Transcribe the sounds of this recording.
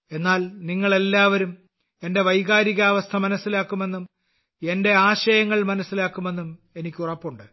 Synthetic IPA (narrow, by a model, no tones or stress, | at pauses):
e̞nːaːlniŋːɐɭe̞lːaːʋɐɾum | e̞nde̞ʋɐjɣaːɾiɣɐːʋɐst̪ʰɐmɐnɐsːilaːkːume̞nːum | e̞nde̞aːɕɐjɐŋːɐɭmɐnɐsːilaːkːume̞nːum | e̞nikʲːurɐpːuɳɖɨ